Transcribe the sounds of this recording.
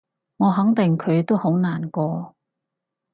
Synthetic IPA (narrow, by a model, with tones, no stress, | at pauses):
ŋɔː˨˧ɦɐ˨˥ŋt̪ɪ˨˩ŋkʰɵ˨˧ɥt̪o˥who˨˥wnaː˨˩nkɔː˧